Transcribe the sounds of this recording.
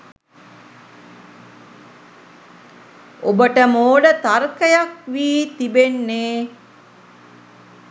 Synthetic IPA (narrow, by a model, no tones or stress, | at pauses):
obəʈəmoːɖət̪arkəjakʋiːt̪ibenːeː